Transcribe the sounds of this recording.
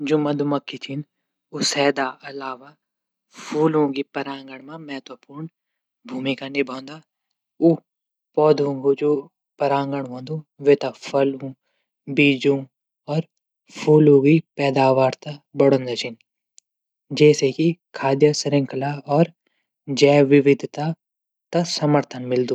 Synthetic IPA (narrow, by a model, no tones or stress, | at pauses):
d͡ʒumɐd̪ʱumɐkːit͡ʃʰin | usɛːd̪aɐlaːʋa | pʰuːlõɡipɐɾãːŋɡəɳ̃mãmɛɦt̪əpuːɾɳ | bʱuːmikanɪbʱõːnd̪a | u | pɔːd̪ũɡud͡ʒo | pɐɾãːŋɡəɳ̃ʋõːnd̪uʋet̪apʰɐlũ | biːd͡ʒũ | ɔːɾ | pʰuːlũɡipɛːd̪aːʋaːɾt̪abɐɽə̃nd̪ɐt͡ʃʰɪn | d͡ʒɛːsekikʰaːd̪jəsɾɪ̃ŋkʰlaɔːɾ | d͡ʒɛːʋɪʋɪd̪ʱt̪a | t̪ɐsɐməɾt̪ʰənmɪld̪ũː